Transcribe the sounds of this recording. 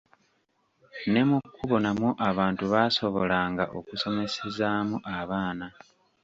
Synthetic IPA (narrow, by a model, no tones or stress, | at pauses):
ne̞mukːuβo̞namuʔaβaːntuβaso̞βolaːŋɡaʔo̰kuso̞me̞se̞zaːmuʔaβaːna